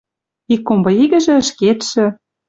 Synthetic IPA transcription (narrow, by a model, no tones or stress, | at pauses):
ikːombɤ̆iɣɘ̆ʒĕə̆ʃket̪ʃĕ